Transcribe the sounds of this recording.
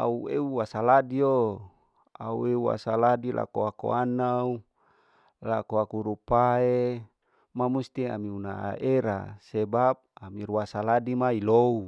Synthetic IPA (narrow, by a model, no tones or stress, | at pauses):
a̰ueuwasaladio | a̰ṵeua̰saladilʔa̰koako̰anau | lakoakuɾupae | mamust̪ia̰miunaa̰ʔeɾa̰sebap̚amiɾuasaladimailou